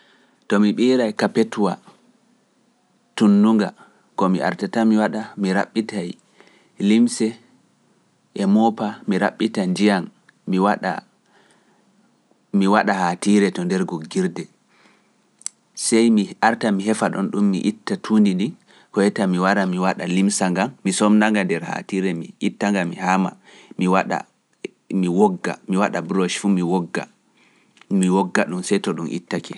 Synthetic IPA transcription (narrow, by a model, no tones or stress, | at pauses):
tɔmiɓiːɾajkapetwa | tunːuŋɡa̰ | kɔmiʔa̰ɾtatamiwaɗamiɾaɓːitaj | limsɛ | ʔɛmɔpamiɾa̰ɓːitand͡ʒijanː | iwaɗa̰ | miwaɗahatiɾɛtɔndɛɾɡoɡiɾdɛ | sɛjmiaɾtamiɦɛfaɗɔ̰nɗumːḭʔitːatʰuːndindi | hɔjɛtamiwaɾamiwaɗalimsaŋɡammisɔmnaŋɡandɛɾha̰tiɾɛmiitːaŋɡamːihaːma̰miwaɗa̰ | miwɔɡːa̰miwaɗabɾoʃfumiwɔɡːa̰ | miwɔɡːaɗumsɛjtɔɗumʔḭtːakʰɛ